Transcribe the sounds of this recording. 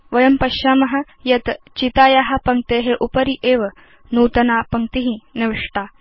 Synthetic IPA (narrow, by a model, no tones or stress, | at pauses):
ʋɐjɐmpɐɕaːmɐɦa | jɐt̪ | t͡ɕit̪aːjaɦapɐŋ̚t̪eɦeʔupəɾiʔeʋ | nuːt̪ɐnapɐŋkt̪iɦineʋiʂʈ̪a